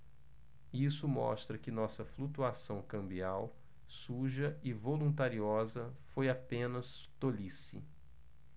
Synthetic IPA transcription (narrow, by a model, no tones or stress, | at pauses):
isʊmɔ̰st̪ɾɐkɪnɔsɐflut̪uasɐ̃w̃kɐ̃mbiaw | suʒɐɪvolũnt̪aɾiɔzɐfojapẽnɐs | t̪olisɪ̰